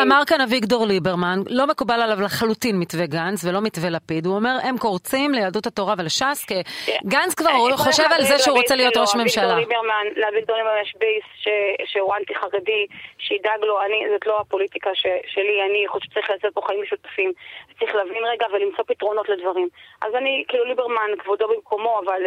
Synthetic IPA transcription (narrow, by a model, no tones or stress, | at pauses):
amaʁkanaviɡdo̞ʁlibeʁmanlo̞mekubalalavlaχalutinmitveɡanzvelo̞mitvelapiduome̞ʁe̞mko̞ʁt͡simlejaduthato̞ʁavelaʃaskeɡanzkvaʁχoʃevalzeʃeuʁot͡selijo̞tʁoʃme̞mʃalaibeʁmanːaviɡ̚dolimamaʃbejsʃeʃewant̪iχaʁediʃeidaɡloanizotlo̞apo̞litikaʃeʃelianiχoʃt͡saʁiχlaːsot̚po̞χaimʃutḁfimt͡saʁiχlavinʁeɡavelːimt͡so̞pit̪ʁo̞no̞tledvaʁimʔa̰zanikiːlulibeʁmankvodo̞bimko̞mo̞aval